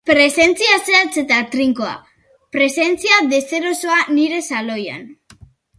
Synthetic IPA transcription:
pɾe̞se̞nt͡siaseat͡se̞t̪at̪ɾiŋkoa̰ | pɾe̞se̞nt͡siaðe̞se̞ɾo̞so̞aniɾe̞salo̞ja̰n

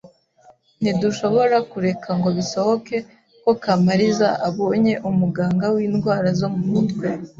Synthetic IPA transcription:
niduʃo̞βo̞ɾakuɾe̞kʰaŋɡo̞βiso̞ho̞ke̞ | ko̞kamaɾizaʔaβo̞ːɲe̞ʔumuɡaːŋɡawiːnɡwaːɾazomumutɡe

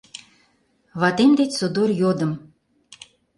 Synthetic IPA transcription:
βɑt̪emd̪etʲsod̪orjod̪əm

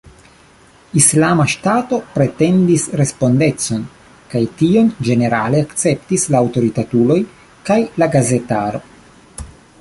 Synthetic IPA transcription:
islamaʃtato̞pɾe̞te̞ndisɾe̞spo̞nde̞t͡so̞n | kajtio̞nd͡ʒe̞ne̞ɾaleakt͡se̞ptislaːwto̞ɾitatulo̞j | kajlaɡaze̞taɾo̞̰

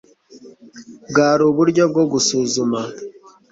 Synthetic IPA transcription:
ɡaːɾuβuɾɟob̚ɡo̞ɡusuːzuma

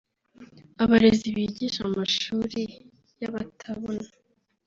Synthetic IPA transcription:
aβaɾeziβiːɟiʃamaʃuːɾi | jaβatʰaβona

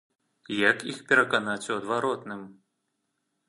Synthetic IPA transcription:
jakixpʲɛɾɐkanat͡sʲuɐd̪vaɾɔt̪nɨm

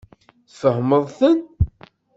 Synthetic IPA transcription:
θfəhməðˤθən

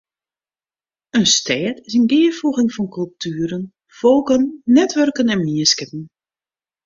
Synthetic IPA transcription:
ənstʰɛːtɪsənɡɪːəfuɣɪŋfɔnkɵlˠp̚tʰyːɾən | foːkənːɛtʋœrkənɛnmiəskɪpən̩

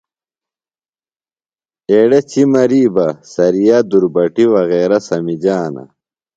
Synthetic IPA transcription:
eːɽɐt͡ɕimɐɾiːbɐsɐɾijad̪uɾbɐʈiwɐɣeːɾɐsɐmid͡ʑaːnɐ̰

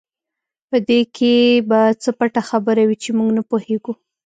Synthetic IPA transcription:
pəd̪ekʰebat͡səpaʈaxabəɾawit͡ʃemuɡnapoheɡu

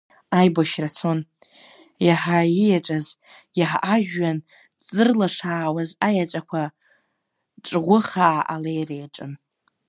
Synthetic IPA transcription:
ajboʃrat͡sʰon | jaħaijaʈ͡ʂʷʼaz | jaħaʔaʒᶣːan | t͡sʼɨrlaʂaːwazajat͡ʃʷʼakʷʰa | ʈ͡ʂʼʁʷʊχaaʔalejrejaʈ͡ʂʼɨm

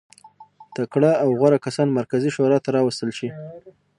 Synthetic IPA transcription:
t̪akɽaːwɣaɾakasɑnmaɾkaziʃoɾɑt̪aɾɑwəst̪əlʃi

